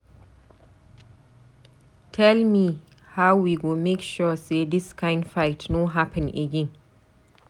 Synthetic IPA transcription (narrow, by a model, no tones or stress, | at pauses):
tʰɛlmi | hawwiɡomekʃɔsedɪskʰãɪ̃ndfaɪtnoɦapʰɨ̃nḛɡɛ̃n